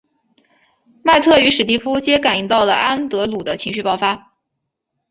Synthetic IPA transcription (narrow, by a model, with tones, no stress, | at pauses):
ma˥˧ɪt̪ʰɤ˥˩y˧˥ʂɻ̩˨˩t̪i˥˩pʰu˥t͡ɕjɛ˥ka˨˩ni˧˥ŋt̪ɑ˥˩ʊlə˩ʔa˥nt̪ɤ˧˥lu˨˩d̪ə˦t͡ɕʰi˧˥ŋɕy˥˧pɑ˥˩ʊfa˥